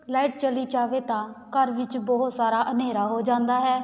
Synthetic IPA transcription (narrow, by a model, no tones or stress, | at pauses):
laːɪʈt͡ʃəliːd͡ʒaːʋeːt̪ãːkəɾʋɪt͡ʃbɔɦʊt̪saːɾaːʔəneːɾaːɦoːd͡ʒãːnd̪aːɦɛː